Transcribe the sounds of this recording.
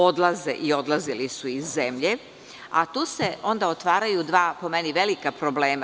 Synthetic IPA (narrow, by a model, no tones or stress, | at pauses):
od̪lˠazeʔio̞d̪lˠazilisuizːemʎe̞ | a̰t̪uːse̞o̞nd̪aot̪ʋaːɾajud̪ʋaːpo̞meniʋe̞likapɾobleːma